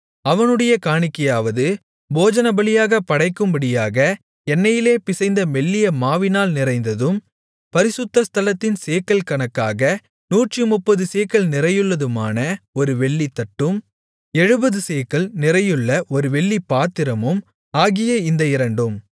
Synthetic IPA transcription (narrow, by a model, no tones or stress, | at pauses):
ɐʋɐnɯɽɐjɐkaːɳɪkːɐjaːʋɐðɯ | boːd͡ʒɐnɐbɐlɪjaːɣɐpːɐɽɐɪkːɯmbɐɽɪjaːɣɐ | ɛnːɐjɪleːpɪsɐɪnd̪ɐmɛɭːɪjɐmaːʋɪnaːlnɪɾɐɪnd̪ɐðɯm | pɐɾɪsɯt̪ːɐst̪ʰɐlɐt̪ːɪnseːkːɐlkɐɳɐkːaːɣɐ | nuːʈrimʊpːɐðɯseːkːɐɭnɪɾɐjɯɭːɐðɯma̰ːnɐɔɾɯʋɛɭːit̪ːɐʈːɯm | ɛɻɯbɐðɯseːkɐɭnɪrɐjɯɭːɐʔɔɾɯʋɛɭːipaːt̪ːɪɾɐmɯm | aːɣɪjɐɪnd̪ɐɪɾɐɳɖɯm